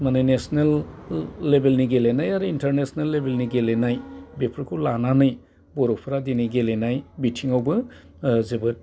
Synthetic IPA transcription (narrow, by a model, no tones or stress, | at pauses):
manɯjnesnelː | ebelniɡelenajaɾuintɐɾnesnelːebelniɡelenajbepʰɾkʰuwlananɯj | bɔɾɔpʰɾadiniɡelenajbitʰiŋawbɯ | zebɯt